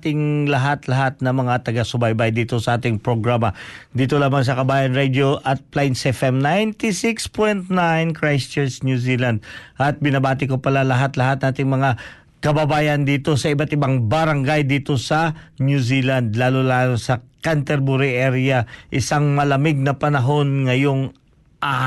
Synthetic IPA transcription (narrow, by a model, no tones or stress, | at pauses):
t̪ɪŋlɐɦat̪lɐɦat̪̚nɐŋmɐŋat̪ɐɡasʊbajbajd̪iːt̪o̞sɐʔaːt̪ɪŋpɾoɡɹaːmɐd̪iːt̪olaːmɐŋs̬ɐkɐbaːjɐnɹɛd̪joʔɐt̪̚plajnsɛfɛmnajnt̪isɪkspojnt̪najnkɹajst͡ʃɛnsnjusiːland̪̚ʔɐt̪̚bɪnɐbaːt̪ɪkopɐlalɐɦat̪lɐɦat̪̚nʔaːt̪ɪŋmɐŋa | kɐbɐbaːjɐnd̪iːt̪o̞sɐɪbat̪ɪbaŋbɐɾɐŋɡajd̪iːt̪o̞sɐnjusiland̪laːlulaːlosɐkant̪ɛɾbuɾiʔɛɾjɐʔɪsaŋmɐlɐmɪɡ̚nɐpɐnɐɦo̞nŋɐjo̞ŋ | ʔa